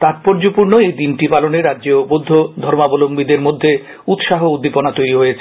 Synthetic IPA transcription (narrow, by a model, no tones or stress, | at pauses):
t̪at̪̚poɾd͡ʑopuɾnoejd̪inʈipaloneɾadːd͡ʑobod̪ʱːod̪ʱɔɾmabolombid̪eɾmod̪ʱːe | ut̪ʃaɦoud̪ʱːiponat̪ojɾiɦojet͡ɕʰe